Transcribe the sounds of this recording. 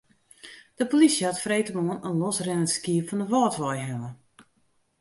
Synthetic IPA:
d̥əpolisjəhatfrejtəmoənənlɔsrɛnəskiəpfɔndəʋɔːtʋɔjɦɛnə

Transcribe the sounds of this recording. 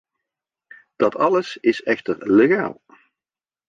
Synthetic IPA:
d̥ɑtɑləsɪsɛxtəɹleɣa̰ːlˠ

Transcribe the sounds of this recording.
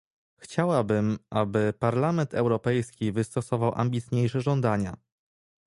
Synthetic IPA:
xt͡ɕawabɘmʔabɘpaɾlamɛnt̪ɛwɾɔpɛjskʲivɘst̪ɔsɔvawʔa̰mbʲit̪ɲejʂɛʐɔnd̪aɲa̰

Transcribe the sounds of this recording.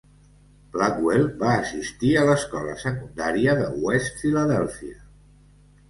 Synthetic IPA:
b̥lakwelbaːsist̪iələskɔlə̰səkund̪aɾiəðə̰west̪filəðɛlˠfiə

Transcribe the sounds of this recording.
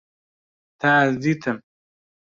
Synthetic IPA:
t̪aːzit̪ʰɐm

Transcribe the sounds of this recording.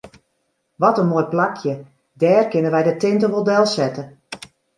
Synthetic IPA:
ʋɔtənmoːjplakʰjə | dɛːrkɪnəʋɛjdətɪntəɦodɛlˠsɛtə

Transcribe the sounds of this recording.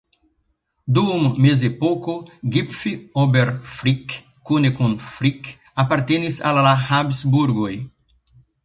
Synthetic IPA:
d̪umːezepokoɡipfiobeɾfɾikː | unekõnfɾik | apaɾt̪enisa̰lalahabsbuɾɡoj

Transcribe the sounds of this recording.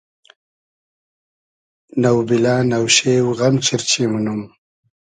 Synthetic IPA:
nawbilanawʃewɣamt͡ʃɪɾt͡ʃimunum

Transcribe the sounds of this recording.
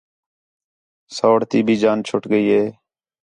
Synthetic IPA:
soːɽt̪iːbʱiːd͡ʒaːnt͡ʃʰʊʈɡəiːɦeː

